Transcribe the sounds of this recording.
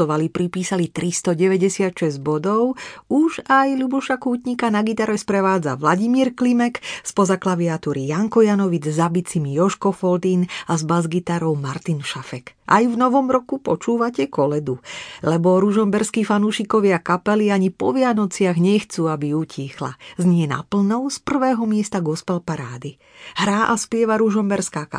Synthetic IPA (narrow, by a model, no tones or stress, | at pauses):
ɔʋalipɾipiːsalit̪ɾist̪ɔɟɛʋɛɟɛsɪat̪ʃɛzɟbɔd̪ɔʊuʒajlubuʃakuːt̪ɲikanaɡit̪aɾɛspɾɛʋaːd͡za̰ʋlaɟimiːɾklimɛkspɔzaklaʋiat̪uɾijaŋkɔjanɔʋid͡zzabit͡simijɔʃkɔfɔlt̪inazbazɡit̪aɾɔʊmaɾt̪inʃafɛkʔa̰jvnɔʋɔmɾɔkupɔt͡ʃuːʋacɛkɔlɛd̪ulɛbɔɾuʒɔmbɛɾskiːfanuːʃikɔʋɪakapɛliaɲipɔ̰ʋɪanɔt͡sɪaɣɲɛxt͡suːabiucʰiːxla̰zɲɪɛna̰pl̩nɔʊspr̩ʋɛːɦɔmɪɛst̪aɡɔspɛlpaɾaːd̪i | ɦɾaːʔaspɪɛʋaɾuʒɔmbɛɾskaːka̰